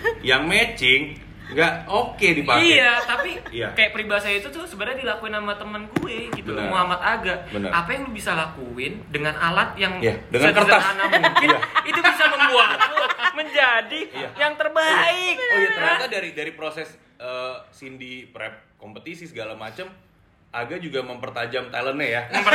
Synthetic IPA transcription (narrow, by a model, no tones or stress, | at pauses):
jaŋmɛt͡ʃɪŋ | ɡaʔokedipaiat̪apiija̰kajaʔpəɾibasajait̪ut̪ʊhsəbəɾaɲadilakuɪnamat̪əmənɡueɡit̪umoamat̪aɡaʔbənə̰ʔapajaŋlubisalakuɪndəŋanalat̪̚jaŋjadəŋaakərtd̪aanamuuŋkɪnit̪ubisaməmbuat̪̚luməɲd͡ʒadijajaŋt̪ərbaɪk̚jat̪ərɲat̪adaɾidaɾipɾosɛs | əːsindipɾɛp̚kompət̪isisəɡalamat͡ʃam | ʔaɡaʔd͡ʒuɡaməmpərt̪ad͡ʒamt̪alənɲajaməmpə